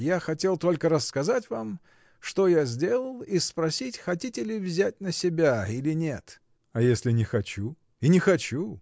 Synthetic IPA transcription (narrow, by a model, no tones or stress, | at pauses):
jaxɐtʲe̞lˠt̪o̞lʲkəɾəskɐzatʲvam | ʂt̪ojazʲdʲe̞lˠəlˠispɾɐsʲitʲxɐtʲitʲɪlʲɪvzʲætʲnəsʲɪbʲailʲɪnʲet̪ | ɐjesʲlʲɪnʲɪxɐt͡ɕu | inʲɪxɐt͡ɕu